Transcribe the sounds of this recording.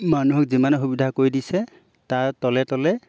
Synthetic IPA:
manuɦɔkzimanɔxubidʱakoɹidisɛ | taɹtɔlɛtɔlɛ

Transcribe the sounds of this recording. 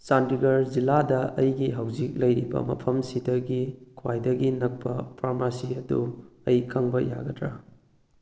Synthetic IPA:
santiɡɐɾziladɐɐjɡiɦawzik̚lɐjɾibɐ̰mɐ̰pʰɐmsidɐɡikʰwajdɐɡinɐk̚pɐpʰaɾmasiɐduɐjkʰɐŋbɐja̰ɡɐdɾɐ

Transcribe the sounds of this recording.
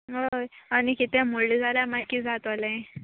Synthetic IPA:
ɦojañikit̪ɛ̃molid͡zaɾjamakːid͡zat̪əlẽ

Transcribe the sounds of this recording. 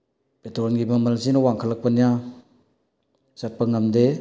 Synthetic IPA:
petɾɔnɡimamalzinawaŋkʰalak̚panja | zat̚paŋamde

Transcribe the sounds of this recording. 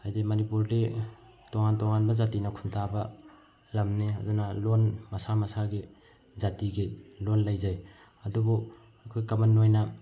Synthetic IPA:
ajdimɐnipuɾde | toŋantoŋanbɐzatinɐkʰuntʰabɐ | lɐmniɐ̰dunɐlonmɐsamɐsaɡi | zatiɡilonlɐjzaj | ɐdubu | ɐkʰojkɐmɐnːojnɐ

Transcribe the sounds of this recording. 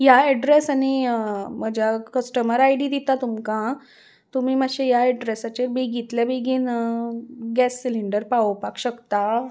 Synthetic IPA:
jaɛɖɾesañiməd͡ʑʱjakəsʈəməɾajɽid̪it̪at̪umkã | t̪um̤iːməɕejaɛɖɾesat͡ɕeɾbeɡit̪labeɡin | ɡɛsːiliɳɖəɾpaʋəpakɕəkt̪a

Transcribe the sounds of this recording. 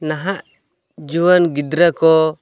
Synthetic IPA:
naɦaʔ | d͡ʒuwənɡid̪ɾəkɔ

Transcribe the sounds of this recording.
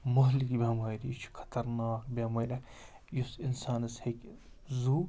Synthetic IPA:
mɐɦlikibʲaːmaːjdit͡ʃʰi̥kʰɐ̥t̪ɐɾnaːkbʲaːmɐjlɐ | jusinsaːnɐshekʲ | zuː

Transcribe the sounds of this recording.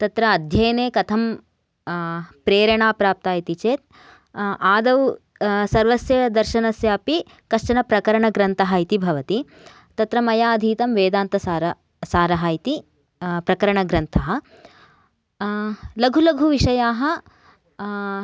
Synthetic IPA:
t̪ɐt̪ɾɐːd̪ʱjɐjɐneːkɐt̪ʰɐm | pɾeːɾɐɳaːpɾaːp̚t̪aːjit̪it͡ʃeːt̪̚ | ʔaːd̪ɐw | sɐɾʋɐsjɐd̪ɐɾʃɐnɐsjaːpi | kɐʃt͡ʃɐnɐpɾɐkɐɾɐɳɐɡɾɐnt̪ɐɦɐit̪ibʱɐʋɐt̪i | t̪ɐt̪ɾɐmɐjaːɐd̪ʱiːt̪ɐmʋeːd̪aːnt̪ɐsaːɾɐ | saːɾɐɦɐit̪i | pɾɐkɐɾɐɳɐɡɾɐnt̪ʰɐɦɐ̆ | lɐɡʱulɐɡʱuʋiʂɐjaːɦɐ

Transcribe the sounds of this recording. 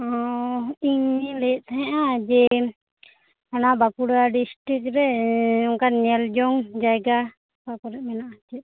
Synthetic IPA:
ɔ | iɲilɛʔ̪̚t̪ʰaɦɛ̃ʔad͡ʒɛ | anabakuɽaɖisʈɾik̚ɾɛɔŋkaɲɛld͡ʒɔŋd͡ʒajɡa | pakɔɾɛʔ̚mɛnaʔat͡ʃɛt̪̚

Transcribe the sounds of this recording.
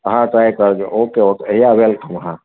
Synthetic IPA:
ɦãʈɾajkəɾd͡ʒookeokɦijawelkəmɦã

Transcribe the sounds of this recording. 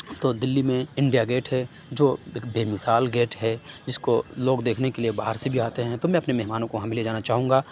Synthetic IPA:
t̪oːd̪ɪlːimẽɪ̃ɳɖijaɡeːʈɦɛ | d͡ʒoːɪkbʱeːmɪsaːlɡeːʈɦɛd͡ʒɪskoloːɡd̪eːkʰnekeliebaːɦəɾsebʱiaːt̪eɦɛ̃t̪omɛ̃ɐpnemɛɦmaːnõkoɦãmɪled͡ʒaːnat͡ʃaːɦũːŋɡaː

